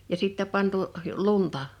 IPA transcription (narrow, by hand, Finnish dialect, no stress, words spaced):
jɑ sitːæ pɑntuʔ luntɑ